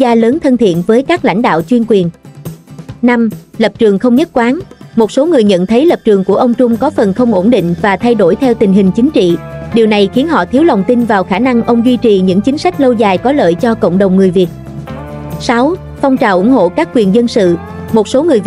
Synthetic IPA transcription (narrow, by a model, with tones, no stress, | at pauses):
zaː˧ləː˨˦nt̪ʰə˧nt̪ʰḭ˧˨ənvəː˨˦jkaː˦˥k̚la̰˧˥jŋ̟ɗa̰ː˧˨wt͡ɕwi˧ənkwi˨˩ən | na˧mlə˨˩p̚t͡ɕɨ˨˩əŋxə˧wŋ͡mɲə˦˥t̚kwaː˨˦nmo˨˩t̚so˨˦ŋɨ˨˩əjɲə̰˧˨nt̪ʰə˨˦jlə˨˩p̚t͡ɕɨ˨˩əŋku˧˩əʔə˧wŋ͡mt͡ɕʊ˧ŋ͡mkɔ˨˦fə˨˩nxə˧wŋ͡mʔo˧˩nɗḭ̈˧˨ŋ̟vaː˨˩t̪ʰa˧jɗo˧˩jt̪ʰɛ˧wt̪ï˨˩ŋ̟ɦï˨˩ŋ̟t͡ɕï˨˦ŋ̟t͡ɕḭ˧˨ɗi˨˩əwna˨˩jxi˨˦ənɦɔ̰˧˨t̪ʰi˨˦əwla˨˩wŋ͡mt̪i˧nvaː˨˩wxaː˧˩na˧ŋʔə˧wŋ͡mɣi˧t͡ɕi˨˩ɲɨ̰˧˥ŋt͡ɕï˨˦ŋ̟sa˦˥k̟̚lə˧wzaː˨˩jkɔ˨˦lə̰ː˧˨jt͡ɕɔ˧kə̰˧˨wŋ͡mɗə˨˩wŋ͡mŋɨ˨˩əjvi˨˩ət̚ | sa˨˦w | fa˧wŋ͡mt͡ɕaː˨˩wʔʊ˧˩˥ŋ͡mɦo̰˧˨kaː˦˥kːwi˨˩ənzə˧nsɨ̰˧˨ | mo˨˩t̚so˨˦ŋɨ˨˩əj